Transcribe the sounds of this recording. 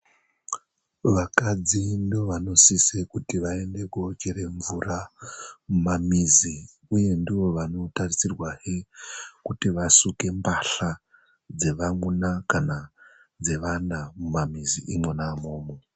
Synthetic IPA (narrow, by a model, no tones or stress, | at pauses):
ʋakad͡zindoʋano̞sisekutiʋae̞nde̞kut͡ʃeɾeɱvura | mumamizi | uje̞ndiʋo̞ʋano̞tarisirwahikutiʋasuke̞mbaɬa | d͡ze̞ʋaŋunakana | d͡ze̞ʋanamumamiziʔimwenaːmo̞ːmo